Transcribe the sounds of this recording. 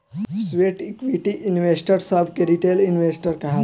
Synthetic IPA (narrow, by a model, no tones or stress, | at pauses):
sʋeːʈikʋiʈiʔɪnʋeːsʈəɾsabʱkeɾiʈeːlinʋeːsʈəɾkɐɦa